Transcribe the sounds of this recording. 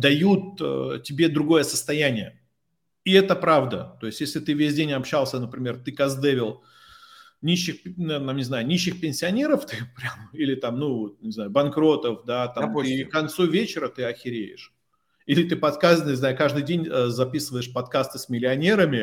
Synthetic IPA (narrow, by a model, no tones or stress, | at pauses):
d̪ɐjut̪̚ətʲɪbʲe̞d̪ɾʊɡo̞jəsə̥st̪ɐjænʲɪjə̰ | ɪɛt̪əpɾavd̪ət̪o̞jɪstʲjesʲlʲɪt̪ɨvʲesʲdʲenʲɐpɕːalˠsʲənəpɾʲɪmʲe̞rt̪ɨkɐzd̪ɛvʲɪlˠ | nʲiɕːɪxnt̪amnʲɪznajʊnʲiɕːɪxpʲɪnʲsʲɪɐnʲe̞ɾəft̪ɨpɾʲamilʲɪt̪amnuvot̪nʲɪznajʊbɐnkɾo̞t̪əfd̪at̪amkɐnt̪suvʲet͡ɕɪɾət̪ɨɐxʲɪɾʲejɪ̰ʂ | ilʲɪt̪ɨpɐt̪kasnnʲɪznaʊkaʐd̪ɨjdʲenʲəzɐpʲisɨvəjɪʂpɐt̪kast̪ɨsʲmʲɪlʲɪɐnʲe̞ɾəmʲɪ